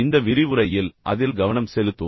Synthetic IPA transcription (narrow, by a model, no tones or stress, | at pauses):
ɪnd̪ɐʋɪɾɪʋɯɾɐjɪlʔɐ̰ðɪlɡɐʋɐnɐmsɛlɯt̪ːɯ